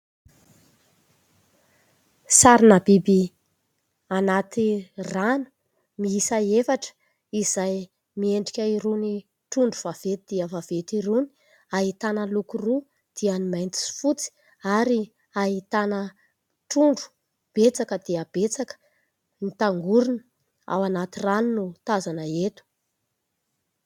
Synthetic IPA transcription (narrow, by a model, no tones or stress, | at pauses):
saɾinabibi | anat̪iranu̥ | miisaefaʈ͡ʂə̥ | izaj | mieɳɖ͡ʐikʲəiɾuni | ʈ͡ʂuɳɖ͡ʐuvav̥et̪id̪̥iəvav̥etiɾuni̥ | aɦit̪anəlukuru | d̪̥ianimajnt̪i̥fut͡si̥ | aɾi | aɦit̪anə | ʈ͡ʂuɳɖ͡ʐu̥ | b̥et͡sakəd̪iəb̥et͡sakə̥ | nit̪aŋɡuɾunə̥ | a̰wanat̪iranunut̪azanəet̪u̥